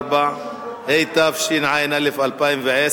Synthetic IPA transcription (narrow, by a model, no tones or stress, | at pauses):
ba | ʔejt̪afʃinʕajnalefalpaimveʕe